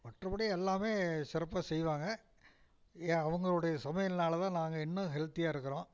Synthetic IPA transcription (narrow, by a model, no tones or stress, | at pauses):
mɐʈrɐbɐɽɪɛlːaːmeːsɪɾɐpːaːsɛjʋaːŋɡɐ | eɐʋɐŋɡɐɭoːɽɐjɐsɐmɐjɐlnaːlɐt̪ãːnaːŋɡɐɪnːɐ̃ɦɛlt̪ɪjaːɪɾɯkːɐɾõː